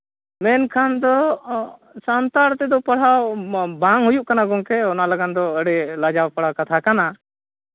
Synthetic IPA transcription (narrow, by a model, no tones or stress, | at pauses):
mɛnkʰand̪ɔ | sant̪aɽt̪ɛd̪ɔpaɽ̤awbaŋɦujuʔkanaɡɔŋkɛɔnalaɡand̪ɔəɽɛlad͡ʒawpaɽ̤awkat̪ʰakana